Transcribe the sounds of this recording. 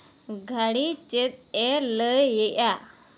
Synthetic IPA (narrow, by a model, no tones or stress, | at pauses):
ɡʱaɽit͡ɕet̪̚ | eləjeʔa